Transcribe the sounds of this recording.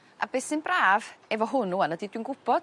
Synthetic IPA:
a̰beːsɪnbraːvɛvɔɦʊnuanədidwinɡʊb̥ɔd̥

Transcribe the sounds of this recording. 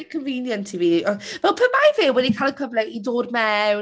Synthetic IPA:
kʰənviːnjəntʰiviːɔvɛlˠpʰəmajvɪːwɛdikʰalˠəkʰəvlɛidoːdmɛw

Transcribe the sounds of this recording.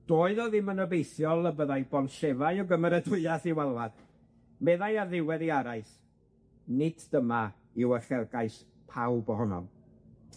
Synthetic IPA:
d̥oːɨðɔðɪmənəbejθjɔlˠəbəðajbɔnʃɛvajɔwɡəməɾɛdʊɨaθiwalˠvad̥ | mɛðajarðɪwɛðiaɾaɨs | nɪdʰdəma | ɪwəχɛlˠɡaɨs | pʰawbɔɦɔnɔ̰m

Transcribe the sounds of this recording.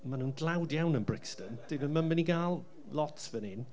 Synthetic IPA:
manuːndlˠawdjawnənbɹɪkstənd̥ɪvəmanməniɡaːlˠ | lɔtvənɪn

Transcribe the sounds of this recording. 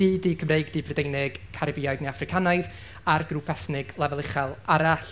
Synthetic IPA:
iːdikʰəmrejɡdibrɛdejnɪɡ̥kʰaɾɪbiajdneafrɪkʰanajð | arɡrupʰɛsnɪɡlˠɛvɛlˠɪχɛlˠaɾaɬ

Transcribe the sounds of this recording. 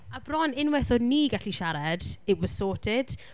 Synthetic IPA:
abrɔnɪnwɛθɔdniːɡaɬiʃaɾad̥ewɔ̥soːtʰɪd̥

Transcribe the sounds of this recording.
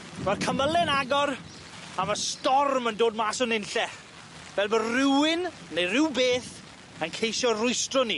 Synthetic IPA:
vɛlˠkʰəməlɛnaɡɔɾ | amastɔrməndoːd̚maːsʊnɪnɬɛχ | vɛlˠbərɪwɪn | nejrɪwbeːθ | ənkʰejʃɔrʊjstrɔni

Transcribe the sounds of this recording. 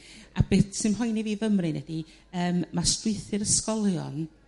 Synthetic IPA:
ab̥ɪtsɨmɦʊjniviːvəmrɨnɛdi | əːmmastwɪɨθɨɾəskɔlˠjɔ̰n

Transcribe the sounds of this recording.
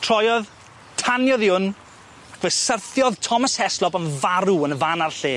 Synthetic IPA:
tʰr̥ɔjɔð | tʰanjɔðɪʊn | akvəsərθjɔðtʰɔmashɛslɔbənvaɾuənəvanarɬeː

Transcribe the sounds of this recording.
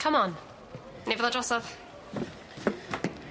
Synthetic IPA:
kʰəmɔn | nevɛðˠadrɔsɔð

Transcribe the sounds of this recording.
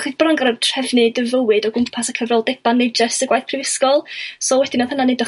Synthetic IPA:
χibənanŋɡaɾətʰr̥ɛvnɨdəvəwɨdɔɡʊmpʰasakʰəvrɔlˠdɛb̥anːejd͡ʒəsəɡwajθpʰrɪvɪskɔlˠsɔwɛd̥ɪnɔðhənanedə

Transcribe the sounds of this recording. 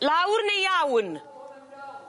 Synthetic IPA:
laːwuɾnejaːwun

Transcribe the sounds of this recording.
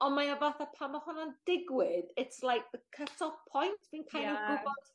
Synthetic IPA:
ɔnmajavaθapʰamahɔnand̥ɪɡwɪdɪtslˠajk̚ðəkʰətʰɔv̥pʰɔjntʰv̥iːnkʰajnɔɡʊbɔd̥

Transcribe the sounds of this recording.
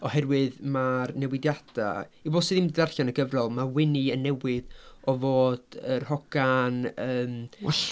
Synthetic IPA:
ɔhɛɾwɨðmarnɛwɪdjad̥a̰iboːdsɨðimddarɬanəɡəvrɔlˠmawɪniənːɛwɨðɔvoːd̥ərhɔɡ̥anəːm

